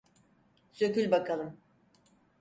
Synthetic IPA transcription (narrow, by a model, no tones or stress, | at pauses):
søkylʲbakalˠɯm